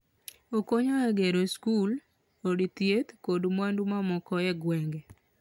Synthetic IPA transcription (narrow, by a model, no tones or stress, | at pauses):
okoɲaɛɡeɾoskul | odt̪jet̪kodmwandumamɔkɔɛɡwɛŋɡɛ